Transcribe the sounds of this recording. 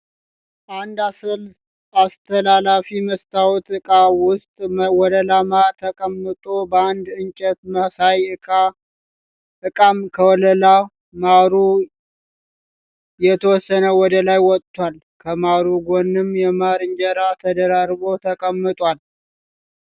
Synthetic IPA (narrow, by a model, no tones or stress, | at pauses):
and̪a | ast̪ʰəlalafiməst̪ʰawɔt̪ɨkʼawʊst̪ʼwɔləlamat̪ʰəkʼəmːɨt̪ʼobəand̪ɨnt͡ʃʼɛt̪məsajɨa | ʔɨkʼamkʰəwɔləla | maɾu | jɛt̪ʰəwɔsːənəwɔd̪əlajwɔt̪ʼːwal | kʰəmaɾuɡonːɨmjɛmaɾɨnd͡ʒɛɾat̪ʰəd̪əɾaɾbo̞t̪ʰəkʼəmːɨt̪ʼwal